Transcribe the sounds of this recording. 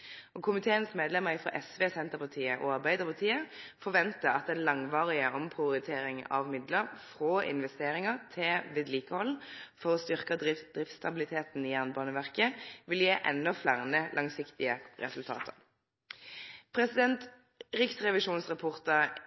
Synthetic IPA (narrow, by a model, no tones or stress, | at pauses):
ʔɔːkʰʊmɪt̪ʰeːənsmeːd̪lɛməʁfʁɑ̰ːʔɛsʋeːsɛnt̪əʁpɑʁt̪ʰiːəʔoːɑʁbæɪd̪əʁpɑt̪ʰiːəfɔʋɛnt̪əɑt̪̚d̪ɛnlɑŋʋɑːʁɪəʔɔmpʰʁɪʊɾɪt̪ʰeːɾɪŋɑ̰ʋmɪd̪ləʁfʁoːʔɪ̰nʋɛst̪eːʁɪŋəʁt̪ʰɪʋɪːd̪liːkəhɔlfɔʁɔst̪ʏʁkəd̪ɪd̪ʁɪft̪st̪ɑbɪlɪt̪ʰeːt̪n̩iːjæʁnəbɑːnəʋæʁkəʋɪljeːʔɛ̰nːɔflæʁnəlʔɑŋsɪkt̪ɪəʁɛ̰sʉlt̪ʰɑ̰ːt̪ʰəʁ | pʰʁɛsɪd̪ɛnt̪ | ʁʏksʁɛʋɪʃuːnsʁɛpʰɔʁt̪ə